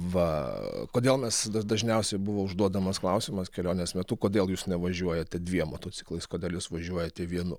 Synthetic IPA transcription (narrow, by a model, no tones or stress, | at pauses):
ʋɐkoːd̪ʲeːlˠmʲɛsd̪ɐd̪ɐʒʲnʲɛʊsʲɛɪbʊʋoːʊʒd̪uɔd̪ɐmɐsklˠɐʊsʲɪmɐskʲɛlʲoːnʲnʲesmʲɛt̪ʊkoːd̪ʲeːlˠjuːsnʲɛʋɐʒʲuɔjɛt̪ʲɛd̪ʲʋʲiɛmo̰ːt̪oːt͡sʲɪ̥klˠɐɪskoːdʲeːlˠjɪsʋɐʒʲuɔjɛt̪ʲeʋʲiɛnʊ̰